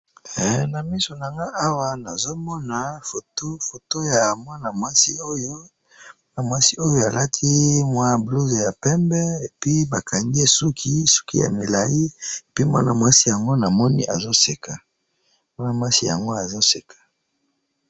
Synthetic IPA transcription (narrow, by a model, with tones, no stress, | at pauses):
ɛ˨na˨mi˦so˨na˨ŋɡa˦ʔa˦wa˦na˨zo˦mɔ˦na˨fo˨to˦fo˨to˦ja˨mwa˦na˨mwa˦si˦o˦jo˦ | ma˦na˨mwa˦si˦o˦jo˦a˨la˦tʰi˦mwa˦˨blu˦ze˨ja˨pɛ˦mbɛ˦e˨pi˦ba˨kʰa˨ŋɡi˦e˦su˦kʰi˦su̥˦kḭ˦ja̰˨mi˨la˨ji˦e˨pi˦mwa˦na˨mwa˦si˦ja˨ŋɡo˦na˨mɔ˦nḭ˦ʔa˨zo˦se˨kʰa˨ | mwa˦na˨mwa˦si˦ja̰˨ŋɡo˦a˨zo˦se˨kʰḁ˨